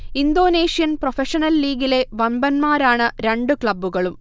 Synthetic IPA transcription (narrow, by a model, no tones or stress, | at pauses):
ind̪o̞ːneːʂijɐnprofeʂɐnɐlːiːɡile̞ʋɐmbɐnmaːɾaːɳɨɾe̞ɳɖukɭɐbːuɣɐɭum